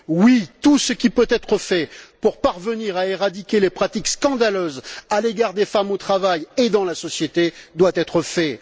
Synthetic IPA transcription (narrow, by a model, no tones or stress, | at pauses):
wit̪usəkʲipøt̪ɛt̪χəfɛpuʁpaʁvəniʁaeʁad̪ikʲelepχat̪ikskɑ̃d̪aløzaleɡaʁd̪efamot̪χavajed̪ɑ̃lasɔsjet̪ed̪wat̪ɛt̪χəfɛ